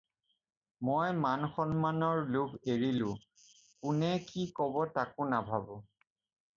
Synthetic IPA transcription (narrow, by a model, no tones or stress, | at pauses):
mojmanxɔnmanɔɹlubeɹilʊ̃ | kʊnɛkikɔbɔtakʊnabʱabɔ